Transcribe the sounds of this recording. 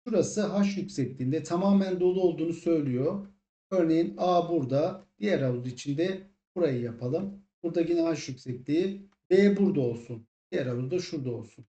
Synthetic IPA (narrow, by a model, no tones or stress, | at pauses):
ʃuɾasɯɦaʃjycʲsɛclʲiːnd̪ɛt̪ʰamaːmænd̪o̞lˠuo̞lˠd̪uːnusø̞jlʲijo̞ | øɾne̞jinaːbuɾd̪ad̪̥ijæɾalˠuit͡ʃʰind̪ɛ | b̥uɾajɯjapʰalˠɯmb̥uɾd̪aɟinɛɦaʃjycsɛclʲiː | bɛbuɾd̪ao̞lˠsun | d̪̥ijɛɾalˠud̪aʃuɾd̪ao̞lˠsun